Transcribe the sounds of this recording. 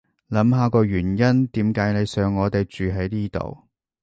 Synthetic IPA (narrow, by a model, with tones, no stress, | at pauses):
lɐ˨˥mɦaː˨˥kɔː˧ɥyː˨˩njɐ˥nt̪iː˨˥mkaː˨˥jne˨˧jsœː˨˧ŋːɔː˨˧t̪e˨jt͡ʃyː˨ɦɐ˨˥jniː˥t̪o̰˨˩w